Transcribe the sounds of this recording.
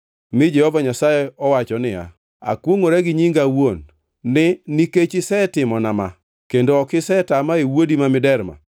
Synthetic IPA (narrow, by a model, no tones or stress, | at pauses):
mɪd͡ʒɛhɔvaɲasajɛɔwat͡ʃɔnɪja̰ | a̰kwoŋoɾɛɡɪɲiŋɡawonː | ɪniket͡ʃɪsɛtɪmɔnama̰ | kendokɪsɛtamaewodimamɪdɛɾma̰